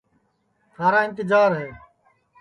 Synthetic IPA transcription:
t̪ʰaːɾaːɪ̃nt̪ɪd͡ʒaːɾɦɛː

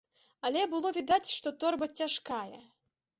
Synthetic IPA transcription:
alʲɛbɨlˠɔvʲid̪at͡sʲʂt̪ɔt̪ɔrbɐt͡sʲaʂkajɛ̰

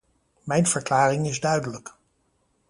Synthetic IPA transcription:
mɛjnv̥əɹklaːrɪŋɪzdœɥdələk

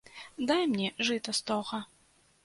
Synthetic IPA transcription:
d̪ajmnʲɛʐɨt̪ɐst̪ɔɣɐ

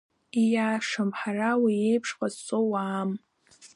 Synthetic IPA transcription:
ijaːʂɨmħarawiejpʰʂqʼazt͡sʷʼowaːm

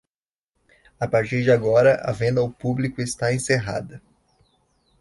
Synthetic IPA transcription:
apaɾt͡ʃiɾd͡ʒɪaɡɔɾɐʔɐ̰vẽnd̪ɐʊpublikʊest̪aẽseɦa̰d̪ɐ

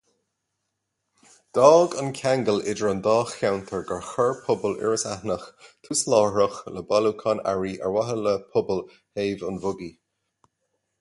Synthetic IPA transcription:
d̪̥ɔːɡənkʰaŋɡəlɪdəɹənd̪ɑːxːawnt̪ʰəɹɡəɹxəɹpʰʊbəlɪ̰ɹəsahnəxt̪ʰuslɔːɹəxləbalukʰɑna̰ɹiʔə̰ɹwaɦələpʰʊbəl | heːvənvʊɡi

